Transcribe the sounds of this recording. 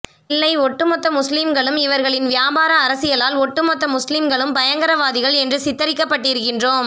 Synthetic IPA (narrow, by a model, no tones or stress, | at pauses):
ɪlːɐɪɔʈːɯmɔt̪ːɐmʊslɪmɡɐɭɯmɪʋɐɾɣɐɭɪnʋɪjaːbaːɾɐːɾɐsɪjɐlaːlɔʈːɯmɔt̪ːɐmʊslɪmɡɐɭɯmpɐjɐŋɡɐɾɐʋaːðɪɣɐɭɛndrɯsɪt̪ːɐɾɪkːɐpːɐʈːɪɾɯkːɪndroːm